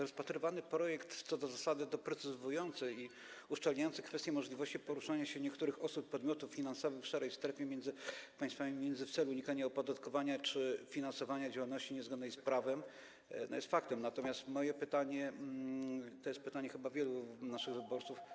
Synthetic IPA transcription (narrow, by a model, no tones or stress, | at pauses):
ɾɔspat̪ɾɘvanɘpɾɔjɛkt̪t̪sɔd̪ɔzasad̪ɘd̪ɔpɾɛt̪sɘzujɔnt̪sɘi | uʂt͡ʂalɲajɔntsɛkfɛst̪jɛmɔʐlʲivɔɕt͡ɕipɔɾuʂaɲaɕɛɲɛkt̪uɾɘxɔsupːɔd̪mʲɔt̪ufːʲinansɔvɘxfʂɛɾɛjst̪ɾɛfʲjɛmʲjɛnd̪zɘpaj̃st̪famʲimʲjɛnd̪zɘft̪sɛluɲikaɲaɔpɔd̪at̪kɔvaɲat͡ʂɘfʲinansɔvaɲad͡ʑawalnɔɕt͡ɕiɲɛzɡɔd̪nɛjspɾavɛm | nɔjɛ̰st̪fakt̪ɛmnat̪ɔmʲjast̪mɔjɛpɘt̪aɲɛ | t̪ɔjɛst̪pɘt̪aɲɛxɘbavʲjɛlunaʂɘɣvɘbɔɾt̪suf